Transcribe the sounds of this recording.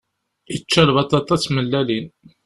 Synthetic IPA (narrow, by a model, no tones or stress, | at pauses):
jət͡ʃːælvɑt̪ˤːɑt̪ˤːɑt͡sːməlːælin